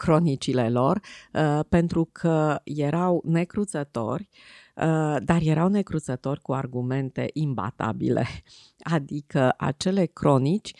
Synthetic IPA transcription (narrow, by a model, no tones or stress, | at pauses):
kɾo̞nit͡ʃile̞lo̞rpe̞nt̪ɾukʰəje̞ɾawne̞kɾut̪zət̪o̞̰rʲ | d̪arje̞ɾawne̞kɾut̪sət̪o̞rʲkuarɡume̞nt̪e̞̰ʔimba̰t̪a̰bḭle̞̰ | ad̪ikəʔa̰t͡ʃe̞le̞kɾo̞nit͡ʃʲ